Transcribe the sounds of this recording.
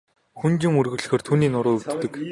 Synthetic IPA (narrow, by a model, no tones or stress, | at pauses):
xunt͡ɕɪ̆ŋurɣɵ̆ɮ̆xeːrt̪ʰuːniːnʊɾʊːut̪ːɘ̆k